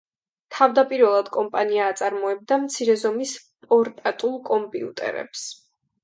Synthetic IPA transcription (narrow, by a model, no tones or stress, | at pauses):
t̪ʰavd̪apʼiɾvɛlˠad̪̥kʼɔmpʼaniaːt̪sʼaɾmɔɛb̚d̪amt̪sʰiɾɛzɔmis | pʼɔɾt̪ʼat̪ʼulˠkʼɔmpʼiṵt̪ʼɛ̰ɾɛ̰ps